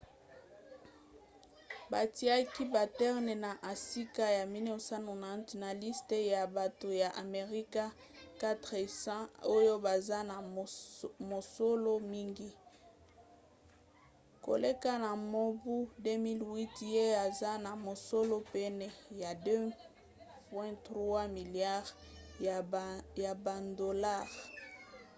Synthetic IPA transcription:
ba˨ti˨˦a˦ki˦ba˨tɛ˦ʁnɛ˨na˨ʔa˨si˦ka˦ja˨mi˦ne˦o˨sa˦no˨na˨tna˨li˦ste˦ja˨ba˨to˨ja˨ʔa˨me˨ʁi˦ka˦ | ka˦tʁe˨sã˦o˦jo˦ba˨za˦na˨ | mo˨so˦lo˦mi˦ŋɡi˦ | ko̰˨le˦ka˦na˨mo˦bu˦de˦mi˦lwi˦tje˦a˨za˦na˨mo˨so˦lo˦pɛ˦nɛ˨ja˨dø˦ | pwɛ̃˦tʁwa˦mi˨lja˦ʁ | ja˨ba˨do˨la˦˨ʁ

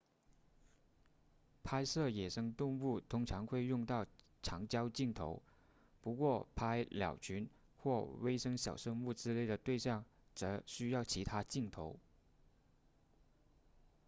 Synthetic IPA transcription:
pʰa˥ɪʂɤ˥˩jɛ˨˩ʂɤ˥ŋt̪ʊ˥˧ŋu˥˩t̪ʰʊ˥ŋʈ͡ʂʰɑ˧˥ŋxwe˥˧ɪjʊ˥˧ŋt̪ɑ˥˩ʊ | ʈ͡ʂʰɑ˧˥ŋt͡ɕjɑ˥ʊt͡ɕi˥˩ŋt̪ʰo̰˧˥ʊ | pu˧˥kwɔ˥˩pʰa˥ɪljɑ̰˨˩ʊt͡ɕʰy˧˥n | xwɔ˥˩we˥ɪʂɤ˥ŋɕjɑ˨˩ʊʂɤ˥ŋu˥˩ʈ͡ʂɻ̩˥le˥˩ɪd̪ə˩t̪we˥˧ɪɕjɑ˥˩ŋʈ͡ʂɤ˧˥ɕy˥jɑ˥˩ʊt͡ɕʰi˧˥t̪ʰa˥t͡ɕi˥˩ŋt̪ʰo˧˥ʊ

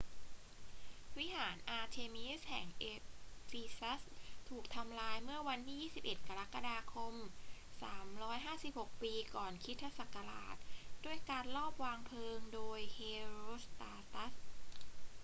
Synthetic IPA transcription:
wi˦˥haː˩˦nʔaː˧t̪ʰeː˧mi˦˥shɛː˩˦ŋʔe˧fiː˧sa˦˥st̪ʰuː˨˩k̚t̪ʰa˧mlaː˧jmɯ˥˩ɐwa˧nt̪ʰiː˥˩jiː˥˩si˨˩p̚ʔe˨˩t̪̚ka˧ɾa˦˥kːa˧daː˧kʰo˧msaː˩˦mɾɔː˦˥jɦaː˥˩si˨˩p̚ho˨˩k̚piː˧kɔː˨˩nkʰi˦˥t̪ʰːa˧˥sa˨˩ka˧la̰ː˨˩t̪̚doː˧əjkaː˧nlɔː˥˩p̚waː˧ŋpʰɤː˧ŋdoː˧jheː˧ɾu˦˥st̪aː˧t̪a˦˥s

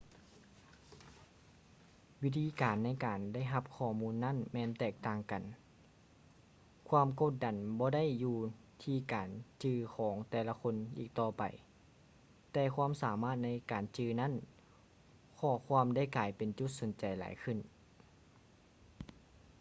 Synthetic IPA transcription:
wi˦˥t̪ʰiː˧˥kaː˨˩nːa˧˥˩jkaː˨˩nda˥˩jɦa˧p̚kʰɔː˧˩muː˧˥nːa˥˨nmɛː˧nt̪ɛː˧˩k̚t̪aː˧ŋka˨˩n | kʰwuaː˧˥˨mko˧˥t̪̚da˨˩nbɔː˧˦da˥˨jːuː˧ | t̪ʰiː˧˩kaː˨nt͡ɕɯː˧kʰɔː˩˦ŋt̪ɛː˧˩la˧kʰo˧˥˨nʔiː˨˩k̚t̪ɔː˧˩pa̰˨j | t̪ɛː˧kʰwuaː˧˥˨msaː˨˦maː˧˥˩t̪̚na˧˥jkaː˨˩nt͡ɕɯː˧na˥˨n | kʰɔː˧˩kʰwu˧ə˨mda˥˨jkaː˨˩jpe˨nt͡ɕu˧˦t̪̚so˨˦nt͡ɕa˨jla̰ː˨˦jkʰɯ˧˩˨n

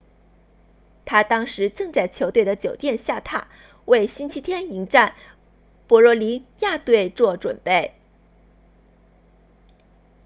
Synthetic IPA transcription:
t̪ʰa˥t̪ɑ˥ŋʂɻ̩˧˥ʈ͡ʂɤ˥˧ŋt͡sa˥˩ɪt͡ɕʰjo˧˥ʊt̪we˥˩ɪd̪ə˩t͡ɕjo˨˩ʊt̪jɛ˥˧nɕja˥˧t̪ʰa˥˩ | we˥˩ɪɕi˥nt͡ɕʰi˥t̪ʰjɛ˥ni˧˥ŋʈ͡ʂa˥˩n | pwɔ˧˥ɻɔ˧˥li˧˥ja˥˧t̪we˥˧ɪt͡swɔ˥˩ʈ͡ʂwə̰˨˩npe˥˩ɪ

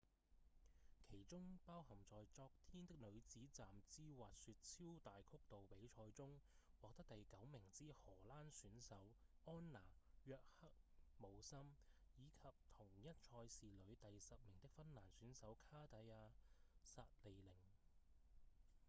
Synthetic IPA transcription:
kʰe˨˩jt͡sʊ˥ŋpaː˥whɐ˨˩mt͡sɔː˨jt͡sɔː˧k̚t̪ʰiː˥nt̪ɪ˥k̚lɵ˨˧ɥt͡siː˨˥t͡saː˨mt͡siː˥waː˨t̚syː˧t̚t͡sʰiː˥wt̪aː˨jkʰʊ˥k̚t̪o˨wpe˨˥jt͡ʃʰɔː˧jt͡sʊ˥ŋ | wɔː˨k̚t̪ɐ˥k̚t̪ɐ˨jkɐ˨˥wmɪ˨˩ŋt͡siː˥hɔː˨˩laː˥nsyː˨˥nsɐ˨˥wɔː˥nːaː˨˩jœː˧k̚hɐ˥k̚mo˨˧wsɐ˥m | jiː˨˧kʰɐ˨p̚t̪ʰʊ˨˩ŋjɐ˥t̚t͡ʃʰɔː˧jsiː˨lɵ˨˧ɥt̪ɐ˨jsɐ˨p̚mɪ˨˩ŋt̪ɪ˥k̚fɐ˥nlaː˨˩nsyː˨˥nsɐ˨˥wkʰaː˥t̪ɐ˨˧jaː˧sa̰ː˧t̚le˨jlɪ˨˩ŋ

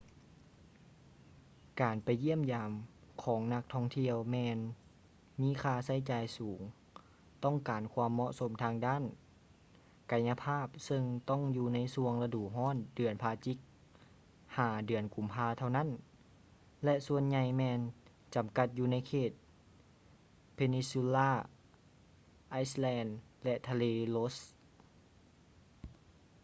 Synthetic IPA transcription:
kaː˨npa˨˩jːi˥˨əmjaː˨mkʰɔː˩˦ŋna˧k̚t̪ʰɔː˧˥˨ŋt̪ʰi˧əwmɛː˧n | miː˧˥˨kʰaː˧sa˧˥˩jt͡ɕaː˨jsuː˩˦ŋ | t̪ɔ˥˩ŋkaː˨˩nkʰwaː˧mːɔ˧ʔso˨˦mt̪ʰaː˧ŋdaː˧˥˨n | ka˨˧˩jɲːa˧pʰaː˥˩p̚sɤ˧ŋt̪ɔ˥˩˨ŋjuː˧na˧˥˩jsu˧əŋla˧duː˨˩ɦɔː˧˥˨ndɯ˨˩ənpʰaː˧t͡ɕi˧˥k̚ | haː˧˩dɯ˨˩ənku˨˩mpʰaː˧t̪ʰa˧˩wna˥˨n | lɛ˧ʔsu˧ənɲa˧jmɛː˧n | t͡ɕa˨˩mka˧t̪̚juː˧na˧˥jkʰeː˧˩t̪̚ | pʰe˧ni˧su˧laː˥˩ | ʔa˧˥jslɛː˧nlɛ˧ʔt̪ʰa˧leː˧lo˦˥s

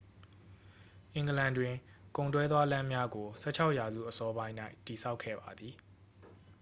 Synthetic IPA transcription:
ʔɪ̃˨ŋɡəlã˨ndwɪ̃˨kõ˨ʊ̃ntwɛ˦d̪wa˦lã˦mja˦ɡo˨sʰɛ̰˦˨t͡ɕʰa˦ʊʔja˨zṵ˦˨ʔəsɔ˦bã˦ɪ̃na˦ɪti˨sʰa˦ʊkʰːɛ̰˦˨ba˨d̪ði˨

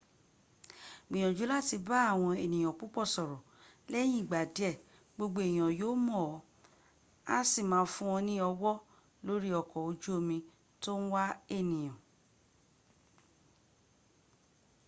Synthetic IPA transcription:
mĩ˨ɔ̃˨d͡ʒu˨˦la˦˨ti˧ba˦a˦˨w̃ɔ̃˧e˨nĩ˨j̃ɔ̃˨k͡pu˦k͡pɔ˦˨sɔ˨ɾɔ˨ | lɛ˦j̃ĩ˦˨ɡ͡ba˨dɛ˦˨ | ɡ͡bo˧ɡ͡bo˦e˨j̃ɔ̃˨joː˦mɔ̃˦˨˦ | a˦si˦˨mãː˦fũ˦ɔ̃˧nĩ˦ɔ˧wɔ˦ | lo˦ɾi˦ɔ˨kɔ˨o˧d͡ʒu˦o˧mĩ˧ | to˦ñ̩˦wa˦e˦˨nĩ˨j̃ɔ̃˨

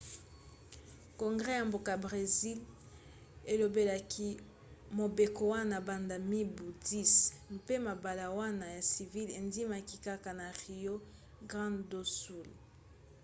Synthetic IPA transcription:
ko˨ŋɡʁɛ˦ja˨mbo˨ka˨bʁe˨zi˦l | e˨lo˨be˨la˨kʰi˦ | mo˨be˨ko˦wa˦na˨ba˨nda˨mi˦bu˨ti˦smpe˦ma˨ba˨la˨wa˦na˨ja˨si˨vi˦le˨ndi˦ma˨ki˦ka˦ka˨na˨ʁi˨jo˦ | ɡʁɑ̃˦ndo˦su˨l

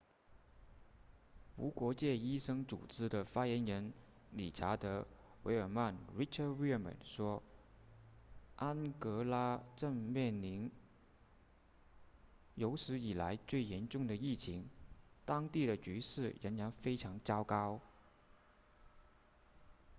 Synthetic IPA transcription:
u˧˥kwɔ˧˥t͡ɕjɛ˥˩i˥ʂɤ˥ŋt͡sṵ˨˩t͡sɻ̩˥d̪ə˨fa˥jɛ˧˥nɻə˧˥n | li˨˩ʈ͡ʂʰa˧˥t̪ɤ˧˥we˧˥ɪə˞˨˩ma˥˩nɹi˥ʈ͡ʂʰə˥wi˥˩mə̰˨˩nʂwɔ˥ | ʔa˥nkɤ˧˥la˥ʈ͡ʂə˥˧ŋmjɛ˥˩nli˧˥n | jo˧˥ʊʂɻ̩˧˥i˨˩la˧˥ɪt͡swe˥˩ɪjɛ˧˥nʈ͡ʂʊ˥˩ŋd̪ə˩i˥˩t͡ɕʰi˧˥ŋt̪ɑ˥ŋt̪i˥˩ɾə˩t͡ɕy˧˥ʂɻ̩˥˩ɻə̰˧˥nɻa˧˥nfe˥ɪʈ͡ʂʰɑ˧˥ŋt͡ɕjɑ˥ʊkɑ˥ʊ

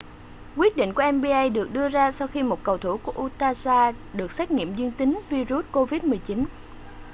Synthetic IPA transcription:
kwi˦˥ət̚ɗḭ˧˨ŋ̟ku˧˩ʔɛ˧mɓi˧ʔə˧jɗɨ˨˩ək̚ɗɨ˧əzaː˧sa˧wxi˧mo˨˩t̚kə˨˩wt̪ʰu˧˩ku˧˩əʔu˧t̪aː˧zaː˧ɗɨ˨˩ək̚sɛː˦˥k̟̚ŋḭ˧˨əmzwi˧əŋt̪ï˨˦ŋvi˧zu˦˥t̚ko˧vi˦˥t̚mɨ˨˩əjt͡ɕi˨˦n

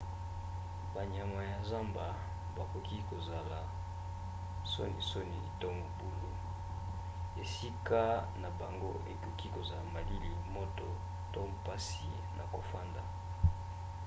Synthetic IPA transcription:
ba˨ɲ˨a˨ŋa˨ja˨za˦mba˨ | ba˨ko˨ki˦ko˨za˨la˨ | so̰˦nḭ˨so˦ni˨tɔ˦ŋo˨bu˦lu˦ | e˨si˦ka˦na˨ba˨ŋɡo˦ḛ˨ko˨ki˦ko˨za˨la˨ma˨li˦li˨mo˦to˨ | to˦pa˦si˨ | nʔa̰˨ko˨fa˦nda˨

